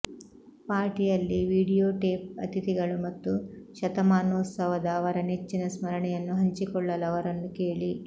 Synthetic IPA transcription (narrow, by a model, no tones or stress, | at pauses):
paːɾʈijɐlːiʋiːɽijoːʈeːp̚ɐ̰t̪it̪iɡɐɭumɐt̪ːuʃɐt̪ɐmaːnoːt̪sɐʋɐd̪ɐːʋɐɾɐnet͡ʃːinɐsmɐɾɐɳɛjɐnːuɦɐɲt͡ʃikɔɭːɐlɐʋɐɾɐnːukeːɭi